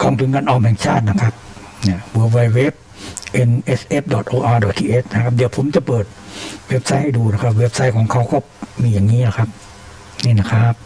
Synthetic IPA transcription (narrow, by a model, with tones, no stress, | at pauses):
kʰɔː˧˩ŋt̪ʰu˨˦nkaː˧nʔɔː˧˩mhɛː˨˩ŋt͡ɕʰaː˥˩t̪̚na˦˥˩kʰa˦˥p̚ | ni˧˩wɤː˧wa˧jwe˦˥˩p̚ | ʔe˧nʔe˦˧˥sʔe˦˥˩p̚dɔ˨˩t̪ʔoː˧ʔaː˧dɔ˨˩t̪ʰiː˧˩ʔeː˦˥t̚na˦˥kʰa˦˥p̚di˩˦wpʰo˨˩˦mt͡ɕa˨˩pɤː˨˩t̪̚we˦˥p̚sa˦˥jha˥˩jduː˧na˦˥˩kʰa˦˥p̬̚we˦˥p̚sa˦˥jkʰɔː˩˦ŋkʰa˧˥˩wkɔː˥˩ | miː˧jaː˨˩ŋːiː˦˥˨la˧˩kʰa˦˥p̚ | niː˥˩na˦˥˩kʰa˦˥p̚